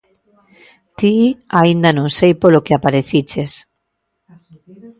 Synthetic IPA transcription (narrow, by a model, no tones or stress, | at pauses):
t̪iaind̪anõŋsejpolokeapaɾeθit͡ʃes